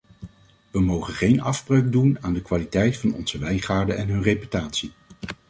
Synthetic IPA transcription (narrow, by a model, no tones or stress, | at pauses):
ʋəmowχənχejnɑvbrøɥɡ̚dunaːndəkʋaːlitɛjtfɑnɔ̰nz̥əʋɛjχaːɹdəʔɛnɦɵnrejpy̥taːtsi